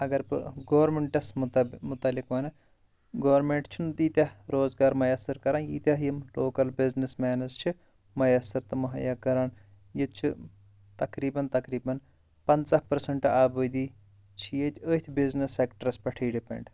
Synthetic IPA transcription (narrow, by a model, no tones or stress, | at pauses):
ɐɡɐɾbɨ̰ɡoːʋɐɾmeɳʈɐsmʊt̪ɐlːikʋɐːnɐ | ɡoːɾmeɳʈt͡ʃʰunt̪iːt̪ʲɐɾoːzɡaːɾmɐjɐsɐɾkɐɾaːnjḭːt̪ʲaɦjimloːkɐlbiznismaːnɐzt͡ʃʰi | mɐjɐsɐɾt̪ɨmɐɦɐ̰jɐːkɐɾaːn | jit͡ʃʰḭ | t̪ɐkɾiːbɐnt̪ɐkɾiːbɐn | pɐnt͡sɐhpɐɾsɐɳʈaːbɐd̪iː | t͡ʃʰijet̪ʰʲət̪ʲʰbiznisːeːkʈɐɾɐspɐʈʰiːɖipḛɳɖ